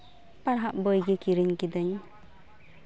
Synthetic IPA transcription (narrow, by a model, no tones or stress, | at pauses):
paɽɦaʔbɔjɡikiɾiɲkid̪əɲ